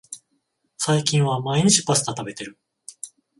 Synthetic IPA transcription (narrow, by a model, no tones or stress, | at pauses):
saikʲĩɰ̃βamaiɲ̟it͡ɕi̥pasɨ̥t̪at̪abe̞t̪e̞ɾɯ̟